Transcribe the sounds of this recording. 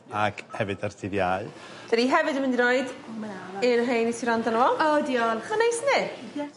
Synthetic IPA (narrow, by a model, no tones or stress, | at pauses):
akʰhɛvɨdartʰɪðjaɨ | d̥aɾiɦɛvɨdəməndiɾɔɨd | ɪɾɦejnisiɾandanɔɔlˠodiɔlənejsnɪ